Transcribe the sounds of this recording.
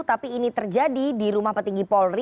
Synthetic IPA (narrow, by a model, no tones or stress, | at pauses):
t̪apiːnit̪ərd͡ʒadidiɾumahpət̪iŋɡipɔlri